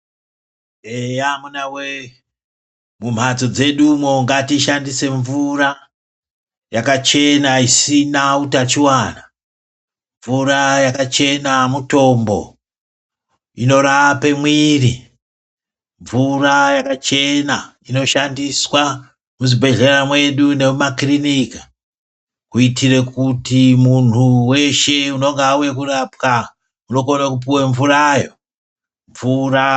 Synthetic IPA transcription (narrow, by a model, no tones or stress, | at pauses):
ejamunawe | mum̤at͡so̞d͡ze̞ɗumwoŋɡatiʃandise̞ɱvura | jakat͡ʃe̞naisinautat͡ʃiwana | ɱvuɾajakat͡ʃe̞namuto̞mbo̞̰ | ino̞ɾaʋape̞mwiːri | ɱvurajakat͡ʃe̞na | ino̞ʃandiswa | muzibʱe̞ɮe̞ramwe̞ɗune̞makrinikḁ | kuitire̞kutimun̤uwe̞ʃe̞uno̞ŋɡaujekurapka | uno̞konakup̬uwe̞ɱvurajo | ɱvura